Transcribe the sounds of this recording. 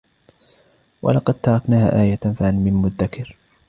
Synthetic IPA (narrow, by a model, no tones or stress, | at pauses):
wa̰lɑqɑd̪̚t̪ɑɾˤɑknaːha̰ːʔaːjafaanmɪnmʊd̪ːakʰɪɾ